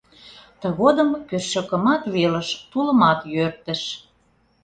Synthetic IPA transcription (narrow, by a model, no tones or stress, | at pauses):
t̪ə̆ɣod̪əmkørʃøkə̆mɑt̪βelə̆ʃt̪ulə̆mɑt̪jørt̪ə̆ʃ